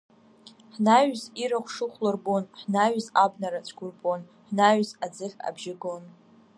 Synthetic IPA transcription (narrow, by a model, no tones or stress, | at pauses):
ħnaɥziɾɨχʷʂɨχʷlɨrbʼonħnaɥzabnaɾat͡ɕʷʰɡʷʊrpʼon | ħnaɥzad͡zɨχʲa̰bʒɪɡon